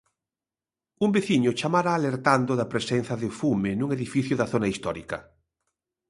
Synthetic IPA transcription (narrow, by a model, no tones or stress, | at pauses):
umbeθiɲʊt͡ʃamaɾaːleɾt̪and̪ʊðɐpɾesen̟θɐðɪfumenuŋeðifiθjʊðɐθonaist̪ɔɾikɐ